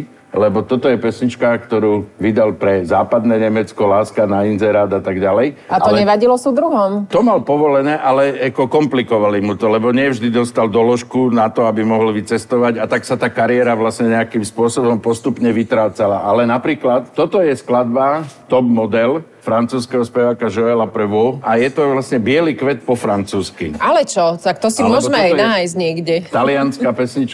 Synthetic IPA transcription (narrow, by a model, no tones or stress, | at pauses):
lɛbɔt̪ɔt̪ɔjɛpɛsɲit͡ʃkakt̪ɔɾuːʋid̪alpɾɛzaːpad̪nɛːɲɛmɛt͡skɔlaːskanainzɛɾad̪at̪aɡɟalɛjaaɔlɛɲɛʋaɟilɔsud̪ɾuɦɔmt̪ɔmalpɔʋɔlɛnɛːʔalɛɛkɔkɔmplikɔʋalimut̪ɔlɛbɔɲɪɛvʒd̪id̪ɔst̪ald̪ɔlɔʃkunat̪ɔabimɔɦl̩ʋit͡sɛst̪ɔʋaɟat̪aksat̪aːkaɾɪɛɾaʋlasɲɛɲɛakimspʊɔsɔbɔmpɔst̪upɲɛʋit̪ɾaːt͡salaʔalɛnapɾiːklat̪ːɔt̪ɔjɛsklad̪̚bat̪ɔbmɔd̪ɛl | fɾant͡suːskɛɦɔspɛʋaːkaʒɔɛlapɾ̩ʋɔajɛt̪ɔʋlasɲɛbɪɛlikʋɛt̪̚pɔfɾant͡suːskḭalɛt͡ʃɔt̪akt̪ɔsimʊɔʒmɛajnajszɲɪɛɡɟɛt̪alianskapɛsɲit͡ʃ